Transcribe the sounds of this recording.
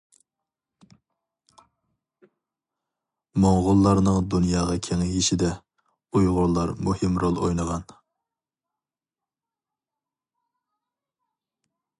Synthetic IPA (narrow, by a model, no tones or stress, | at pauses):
moŋʁʊlˠːɑɾnɨŋd̪unjɑːʁɑkʲʰeŋjiʃid̪ɛ | ujʁʊɾlˠːɑɾmuhɪmɾolˠo̰jnɨʁɑn